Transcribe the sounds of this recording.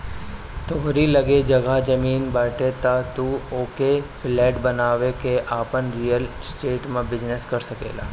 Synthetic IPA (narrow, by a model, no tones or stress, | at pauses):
t̪oɦɾilɐɡed͡ʒɐɡad͡ʒɐmiːnbəːʈet̪at̪uoːkefɪlɛːʈbɐnaːʋekeʔaːpənɾijəlsʈeːʈmẽbɪd͡ʒneskɐɾsɐkḛːla̰ː